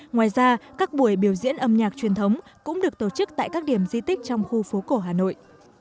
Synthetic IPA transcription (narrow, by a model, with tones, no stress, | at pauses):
ŋwaː˨˩jzaː˧kaː˦˥k̚ɓu˧˩əjɓi˧˩əwzḭ˧˥ənʔə˧mɲaː˨˩k̚t͡ɕwi˨˩ənt̪ʰə˨˦wŋ͡mkʊ̰˧˥ŋ͡mɗɨ˨˩ək̚t̪o˧˨˩t͡ɕɨ˦˥k̚t̪a̰ː˧˨jkaː˦˥k̚ɗi˧˩əmzi˧t̪ï˦˥k̟̚t͡ɕɔ˧wŋ͡mxu˧fo˨˦ko˧˩ɦaː˨˩no̰˧˨jʔ